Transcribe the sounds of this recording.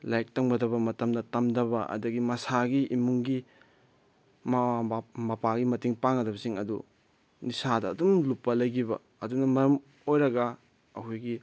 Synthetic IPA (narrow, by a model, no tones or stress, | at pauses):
lajk̚tɐŋbɐdɐβɐmɐtɐmdɐtɐmdɐβɐʔɐ̰dɐɡimɐsaɡiimuŋɡi | mamɐpaɡimɐtiŋpaŋɐdɐβɐsiŋɐdu | nisadɐ̰ːdumlupːɐlɐjɡibɐ̰ːdunɐmɐɾɐm | ojɾɐɡa | ɐhujɡi